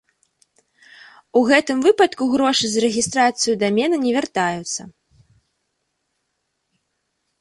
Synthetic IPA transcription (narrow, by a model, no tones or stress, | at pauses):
uɣɛt̪ɨmvɨpɐt̪kuɣɾɔʂɨzɐɾɛɣʲist̪ɾat̪sɨjud̪amʲɛnɐnʲɛvʲart̪ajut̪sːɐ